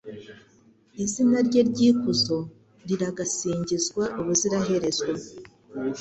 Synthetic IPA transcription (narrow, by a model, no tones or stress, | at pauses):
izinaɾɟeɾɟiːkuzo̞ | ɾiɾaɡasiːɲɟizɡwaʔuβuziɾaɦe̞ɾe̞zwa